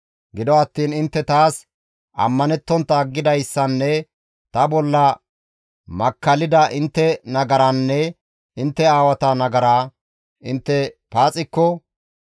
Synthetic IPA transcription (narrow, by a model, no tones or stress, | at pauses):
ɡɪd̪ɔɐt̪ːiːnɪnt̪ːɛt̪aːs | ʔɐ̰mːɐnɛt̪ːɔnt̪ːɐɡːɪd̪ɐjsːɐnːɛ | t̪ɐbɔlːɐ | mɐkːɐlɪd̪ɐʔɪnt̪ːɛnɐɡɐɾɐnːɛ | ɪnt̪ːɛaːwɐt̪ɐnɐɡɐɾaː | ʔɪnt̪ːɛpaːt͡sʼɪkːɔ